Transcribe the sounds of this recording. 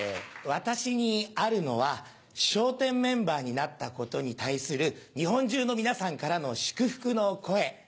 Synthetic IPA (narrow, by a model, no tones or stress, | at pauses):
βat̪aɕiɲ̟iaɾɯ̟no̞βa | ɕo̞ːt̪ẽ̞mːẽ̞mbaːɲ̟inat̪ːako̞t̪o̞ɲ̟it̪aisɨɾɯ̟ɲ̟iɦõ̞ɲ̟d͡ʑɨːno̞mʲinasãŋkaɾano̞ɕɨ̥kɯ̟ɸɯ̟̥kɯ̟no̞ko̞e̞